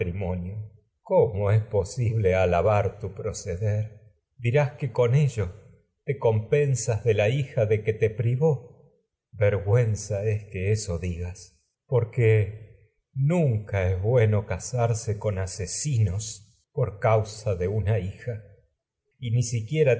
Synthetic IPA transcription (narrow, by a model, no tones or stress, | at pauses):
ɾimonjo | komoe̞spo̞siβle̞alaβaɾt̪upɾo̞seðeɾ | d̪iɾaske̞ko̞ne̞ʒo̞ | t̪e̞ko̞mpe̞nsazðe̞laixaðe̞ket̪e̞pɾiβo̞ | βeɾɣwe̞nsaeskeeso̞ðiɣas | po̞ɾke | nũŋkaezβwe̞no̞kasaɾseko̞nasesino̞s | poɾkawsaðe̞unaixa | inisikje̞ɾa